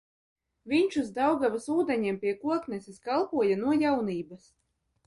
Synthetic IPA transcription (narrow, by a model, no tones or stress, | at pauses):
vʲiɲt͡ʃuzd̪awɡavasuːd̪ɛɲɛmpʲiɛkuɔknɛsiskalˠpuɔjanuɔjawniːbɐs